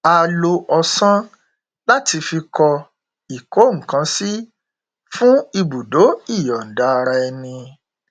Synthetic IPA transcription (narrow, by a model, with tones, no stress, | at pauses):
a˧lo˧ʔɔ˧sã˦ | la˦ti˧fi˧kɔ˧ | i˨ko˨˦ŋ̩˨kã˨˦si˦ | fũ˦i˧bu˨do˨˦i˦˨jɔ˨n̩˨da˨˦˧ɾa˧ɛ˧nĩ˧